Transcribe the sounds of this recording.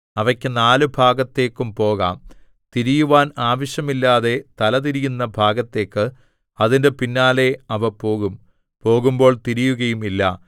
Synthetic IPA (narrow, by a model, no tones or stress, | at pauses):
ɐʋɐkʲːɨnaːlɨbʱaːɡɐt̪ːe̞ːkːumpo̞ːɣaːm | t̪iɾijuʋaːnaːʋɐɕjɐmilːaːðe̞t̪ɐlɐðiɾijunːɐbʱaːɡɐt̪ːe̞ːkːɨ | ɐðinde̞pinːaːle̞ɐʋɐpo̞ːɣum | po̞ːɣumbo̞ːɭt̪iɾijuɣɐjumilːɐ̰